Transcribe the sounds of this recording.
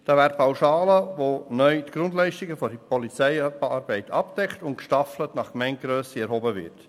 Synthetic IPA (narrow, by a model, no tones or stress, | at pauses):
d̥ɑːʋæːɾt̚pʰawʃɑːləʋonœʏtɡ̥ɾʊndlɛɪʃtiɡəfɔipɔlit͡sɛɪɑɾbɛɪtʰɑp̚d̥ɛkχtʊntkʃtɑflətnɑχkmɛɪntɡ̥ɾøːsiɛɾɦɔbəvɪ̰ɾt